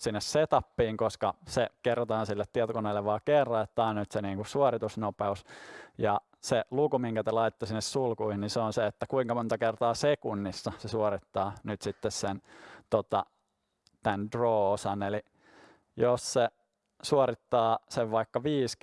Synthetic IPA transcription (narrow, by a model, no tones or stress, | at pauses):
sinːesset̪ɑpːiːŋkoskɑsekerːɑt̪ɑːnsilːet̪t̪iɛt̪okoneilːeʋʋɑːkerːɑet̪ːɑːnnyt̪seniːŋkusuorit̪usnopeusjɑ | selukumiŋkæt̪elɑit̪et̪ːosinːessulkuihinniseonseet̪ːækuiŋkɑmont̪ɑkert̪ɑːsekunːisːɑsesuorit̪ːɑːnyt̪sit̪ːessent̪ot̪ɑ̰ | t̪ændroːosɑneli | josse | suorit̪ːɑːseʋʋɑikːɑʋiːs